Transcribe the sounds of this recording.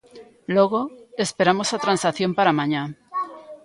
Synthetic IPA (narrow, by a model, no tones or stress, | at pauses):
loɣ̞oespeɾamosat̪ɾansaθjõmpaɾamãɲa